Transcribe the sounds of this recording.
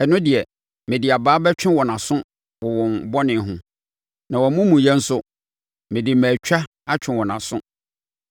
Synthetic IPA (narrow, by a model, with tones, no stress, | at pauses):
ɛ˨nʊ̃˦dɪ˨ɛ˨ | mɪ̃˨dɪ˨a˨baː˨˦bɛ˦t͡ɕᶣɪ̃˦wɔ˨nã˨sʊ̃˦ | wɔ˨wɔ̃˨n˨bɔ˦nɪ̃˨˦ɦʊ̃˦ | nã˨wɔ˨˦mʊ̃˦mũ˨jɛ˦n̩˦sʊ˦ | mɪ̃˨dɪ˨mæː˨t͡ɕᶣa˦ | a˦t͡ɕᶣʰɪ̃˨wɔ˨nã˨sʊ̃˦